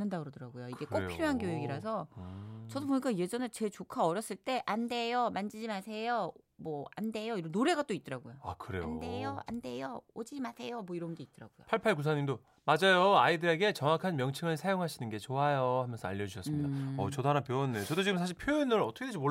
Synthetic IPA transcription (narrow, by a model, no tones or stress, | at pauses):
nɯndaɡɯɾʌdɯɾaɡojoiɡe̞k͈opʰiɾjoɦankjoɦeɡiɾasʰʌt͡ɕʌdop̬oɲik͈aje̞d͡ʑʌnɯɭt͡ɕe̞ɭt͡ɕokʰaʌɾjʌs͈ɯɭt͈e̞ʔande̞jomand͡ʑid͡ʑimasʰe̞jomwʌa̰nde̞joiɾʌnnoɾe̞ɡat͈oit̚t͈ʌɾaɡojoa̰kɯɾe̞̰andejoa̰nde̞jood͡ʑid͡ʑimasʰe̞jomwʌiɾʌbndoit̚t͈ʌɾa̰ɡ̥ojo̰pʰaɭpʰaɭkus̬ʰaɲindo | mad͡ʑajoaidɯɾe̞ɡe̞t͡ɕʌŋakʰanmjʌŋt͡ɕʰiŋɯɭsʰajoŋɦaɕʰinɯnɡe̞t͡ɕoajohamjʌnsʰʌaʎːʌd͡ʑuɕʰʌs͈mmɲidaʌ̰t͡ɕʌdoɦanapjonːet͡ɕʌdod͡ʑiɡɯmsʰaɕ̬ʰiɭpʰjoinɯɾʌtʰʌkʰdeɕimo